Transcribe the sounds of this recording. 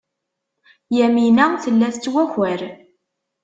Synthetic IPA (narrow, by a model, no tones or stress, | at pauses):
jæminæθəlːæθt͡sːwæçæɾ